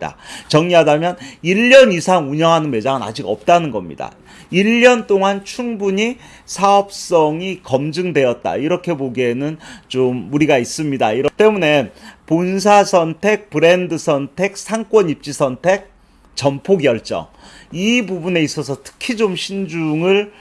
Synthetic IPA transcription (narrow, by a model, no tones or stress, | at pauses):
da̰t͡ɕʌŋɲiɦadamjʌniʎːʌnisʰaŋuɲʌŋɦanɯnme̞d͡ʑaŋɯna̰d͡ʑiɡʌ̰p̚t͈anɯnɡʌmɲḭda̰ | iʎːʌnt͈oŋant͡ɕʰuŋbuɲi | sʰaʌp̚s͈ʌŋikʌmd͡ʑɯŋdwe̞ʌt̚t͈a̰iɾʌkʰe̞boɡienɯnt͡ɕomːuɾiɡais͈ɯmɲidaiɾʌt͈e̞mune̞npons̬ʰasʰʌntʰe̞k̚pɯɾe̞ndɯsʰʌntʰe̞k̚sʰaŋk͈wʌnip̚t͡ɕ͈isʰʌntʰe̞k̚ | t͡ɕʌmpʰoɡjʌɭt͡ɕ͈ʌ̰ŋibubune̞is͈ʌsʰʌtʰɯ̥kʰid͡ʑomɕʰind͡ʑuŋɯɭ